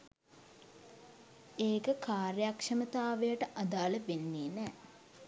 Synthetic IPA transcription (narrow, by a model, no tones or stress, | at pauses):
eːkəkaːɾjakʂɐmət̪aːʋejəʈəʔad̪aːləʋenːeːnɛː